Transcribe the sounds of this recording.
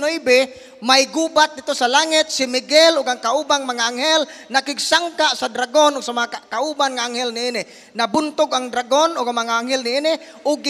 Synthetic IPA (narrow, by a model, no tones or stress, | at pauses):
nʊʔibɪ | majɡubat̪̚d̪ɪt̪ːosalaŋɪt̪̚sɪmɪɡɛlʔʊɡaŋkaʔuːbaŋmaŋaaŋɦɛlnakɪɡsaŋkaʔsad̪ɾaɡonʊɡsamaŋakaʔubanŋaʔaŋhɛlnɪiːnɪ | nabʊnt̪ʊɡʔaŋd̪ɾaɡonʔʊɡaŋmaŋaʔaŋɦɛlnɪiːnɪ | ʔʊɡː